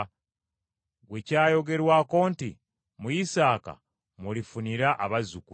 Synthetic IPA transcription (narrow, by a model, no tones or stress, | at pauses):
ɡwe̞caːjo̞ɡe̞ɾwaːko̞ːnti | muisaːka̰ | mulifuniɾaʔaβazuku